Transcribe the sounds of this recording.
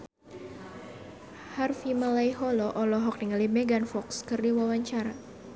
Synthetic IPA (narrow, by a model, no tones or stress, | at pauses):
harfimalajɦɔlɔʔɔlɔɦɔk̚niŋalimɛɡanfɔkskɨrdiwawaɲt͡ʃaɾa